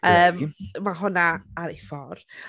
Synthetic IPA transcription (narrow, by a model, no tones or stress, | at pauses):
əːmmaɦʊnaaɾɪfɔr